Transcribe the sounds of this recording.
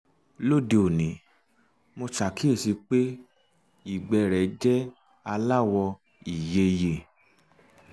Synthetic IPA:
lo˦˨di˧o˨nĩ˨˦ | mo˧ʃa˨ki˦e˦˨si˧k͡pe˦ | i˦˨ɡ͡bɛ˧˨ɾɛ˨d͡ʒɛ˦ | a˧la˦wɔ˧ | i˨je˧je˨

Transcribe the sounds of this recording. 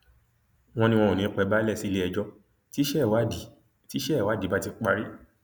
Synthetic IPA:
w̃ɔ̃˧nĩ˧w̃ɔ̃˧ũ˨nĩ˨˦k͡pɛ˧˦ba˦lɛ˦˨si˦˧le˦ɛ˧d͡ʒɔ˧ | ti˦ʃɛ˦˨wa˦i˨ | ti˦ʃɛ˦˨wa˨˦di˨˦ba˦ti˧k͡pa˧ɾi˦

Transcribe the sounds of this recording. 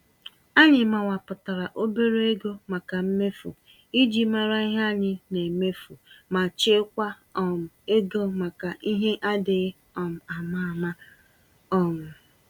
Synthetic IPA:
a˦ɲɪ˨ma˨wa˨pʊ˨ta˨ɾa˨ʔo˦be˦ɾo˦e˦ɡo˦ma˨ka˨m̩˦me˦fṵ˨ | i˦d͡ʒi˦ma˦ɾa˦i˦ɦa˦ɲɪ˦ne˨me˦fu˨ma˨t͡ʃɪ˦kʷa˦ | ɔ˨m̩˨e˦ɡo˦ma˨ka˨ʔi˦ɦe˦ʔa˦dɪ˨˦ | ɔ˨m̩˨a˨ma˦˨ma˦ | ɔ˨mʊ˨

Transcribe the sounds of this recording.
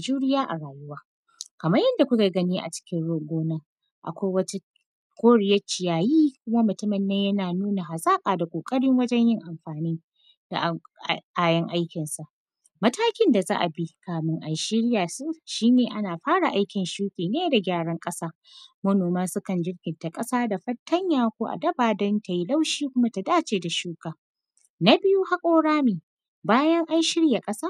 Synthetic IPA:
d͡ʒuː˦ɽɪ˦jaː˦ʔa˨ɽaː˨jʊ˦waː˦ | kɐ˨mɐ˦jɐ˦nda˨kʷʊ˦kʲa˨ɡɐ˦niː˦ʔa̰˨t͡ʃɪ̥˦kʲɪ˦nɽoː˦ɡʷoː˦na˦ | ʔa̰˨kʷa˦wɐ˦ta˦ | kʷoː˦ɽɪ˨jɐ˦t͡ʃɪ˨jaː˨jiː˦kʷʊ˦ma˦mʊ˨tʊ˦mɪ˨nːe˦jɐ˦naː˨nuː˦na˨ɦa˨sʼaː˦kʼaː˨da˨kʷʼoː˨kʼɐ˦ɽɪ˦ŋwɐ˦d͡ʒɛ˦ɲjɪ˦ŋʔa˨mɸaː˨niː˦ | da̰˨ʔʔaː˦˨jɐ˦ŋʔa˦jkʲɪ˨nsa˨ʔ | mɐ˦taː˦kʲɪ˦nda˨za̰ː˦ʔa˨bi˦kaː˨mɪ˦ŋʔa˨nʃɪ˦ɽjaː˨su˦ʃiː˦neː˨ʔa˦naː˨ɸaː˦ɽa˨ʔa˦jkʲɪ˨nʃuː˦ɸʲiː˨neː˦da˨ɡʲaː˦˨ɽɐ˦ŋkʼɐ˦saː˦ | mɐ˦noː˨maː˦sʊ˦kɐ˨nd͡ʒɪ˦ɽɡʲɪ˨nta˨kʼɐ˦saː˦da˨ɸɐ˦tʰːɐ˦ɲjaː˨kʷoː˦ʔa̰˨dɐ˦baː˨dɔ˦nta˨ji˦la˦wʃiː˦kʷʊ˦ma˦ta˨daː˦t͡ʃeː˨da˨ʃuː˦kaː˨ | na˦bɪ˦ju˦ha˦kʷʼoː˦ɽaː˦miː˨ | baː˦jɐ˦ŋʔa˦nʃɪ˦ɽja˨kʼɐ˦saː˦

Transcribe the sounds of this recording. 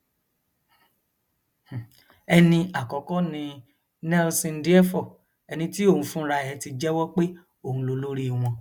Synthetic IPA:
h̩˨ | ɛ˧nĩ˧a˨kɔ˨˦kɔ˦nĩ˧ | nɛ˦lsĩ˧n̩˦di˦ɛ˦fɔ˨ | ɛ˧nĩ˧ti˦o˦˨hũ˧˦fũ˦ɾa˧ɛ˨˦ti˧d͡ʒɛ˦wɔ˦k͡pe˦ | o˦˨ũ˧lo˧lo˦ɾi˦˨w̃ɔ̃˧

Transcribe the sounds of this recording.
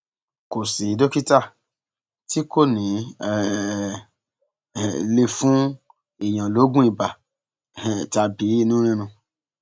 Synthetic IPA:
ko˨si˨i˨˦do˦ki˦ta˦˨ | ti˦ko˦˨nĩ˨˦˧ | le˧fũ˦ | i˨j̃ã˨lo˨˦ɡũ˦i˨ba˨ | ta˧bi˨˦i˦nũ˦ɾ̃ĩ˦ɾ̃ũ˧

